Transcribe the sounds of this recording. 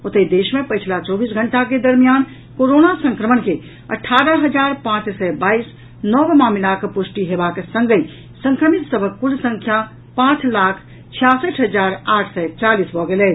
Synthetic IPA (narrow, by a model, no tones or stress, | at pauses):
ut̪əid̪eʃmepəjt͡ʃʰlat͡ʃɔbisɡʱəɳʈaked̪əɾmijan | koɾonasə̃ŋkɾəmənke | ə̰ʈʰːaɾəɦəd͡ʒaɾpãt͡ʃsɛbais | nɔʋmamilakpuʃʈiɦebaksə̃ŋɡəi | sə̃ŋkɾəmit̪səbʱəkːuɾsə̃ŋkʰja | pãt͡ʃlakʰ | t͡ʃʰijasəʈɦəd͡ʒaɾaʈʰsɛt͡ʃalisbʱɔɡelɛ